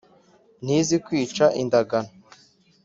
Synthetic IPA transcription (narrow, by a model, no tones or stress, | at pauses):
n̥izikwiːt͡ʃaʔindaɡana